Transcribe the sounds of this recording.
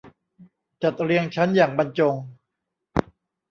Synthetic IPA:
t͡ɕa˨˩t̪̚ɾi˧əŋt͡ɕʰa˦˥njaː˨˩ŋba˧nt͡ɕo˧ŋ

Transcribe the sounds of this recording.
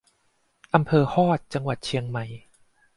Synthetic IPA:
ʔa˧mpʰɤː˧hɔː˥˩t̪̚t͡ɕa˧ŋwa˨˩t̪̚t͡ɕʰi˧əŋma˧j

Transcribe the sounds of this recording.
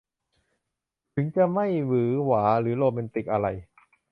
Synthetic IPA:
t̪ʰɯ˩˦ŋt͡ɕa˨˩ma˥˩jwɯː˩˦waː˩˦ɾɯː˩˦loː˧mɛ˧nt̪i˨˩k̚ʔa˧ɾa˧j

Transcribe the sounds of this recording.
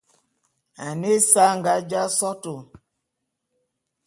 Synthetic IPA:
a˨ne˦sa˦ŋɡa˦d͡ʒa˦sɔ˦to˨

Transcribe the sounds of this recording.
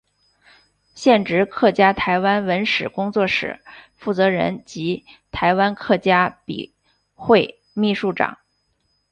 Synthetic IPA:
ɕjɛ˥˩nʈ͡ʂɻ̩˧˥kʰɤ˥˩t͡ɕja˥t̪ʰa˧˥ɪwa˥nwə˧˥nʂɻ̩˨˩kʊ˥ŋt͡swɔ˥˩ʂɻ̩̰˨˩˦fu˥˩t͡sɤ˧˥ɻə̰˧˥nt͡ɕi˧˥t̪ʰa˧˥ɪwa˥nkʰɤ˥˩t͡ɕja˥pḭ˨˩ | xwe˥˧ɪ | mi˥˧ʂu˥˩ʈ͡ʂɑ̰˨˩˦ŋ

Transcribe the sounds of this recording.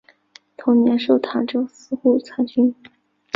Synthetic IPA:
t̪ʰʊ˧˥ŋnjɛ˧˥nʂo˥˩ʊt̪ʰa˧˥ʈ͡ʂo˥ʊsɹ̩˥xu˥˩t͡sʰa˧˥nt͡ɕy˥n

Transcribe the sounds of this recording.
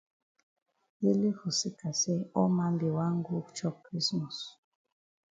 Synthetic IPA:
je˦le˦hu˨si˦ka˨se˦ɔ˦ma˦mbe˨wa˦ŋ˦ɡo˦t͡ʃɔ˦kkɾi˦smɔ˨s

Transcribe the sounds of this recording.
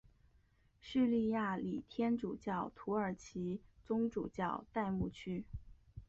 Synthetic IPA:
ʂ̩˥˧li˥˧ja˥˩li˨˩t̪ʰjɛ˥nʈ͡ʂṵ˨˩t͡ɕjɑ˥˩ʊt̪ʰu˧˥ə˞˨˩t͡ɕʰi˧˥t͡sʊ˥ŋʈ͡ʂṵ˨˩t͡ɕjɑ˥˩ʊt̪a˥˧ɪmu˥˩t͡ɕʰy˥

